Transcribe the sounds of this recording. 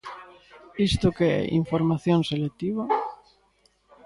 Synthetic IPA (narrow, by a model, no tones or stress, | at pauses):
ist̪ʊkeɛ̰ʔḭɱfoɾmaθjoŋselet̪iβa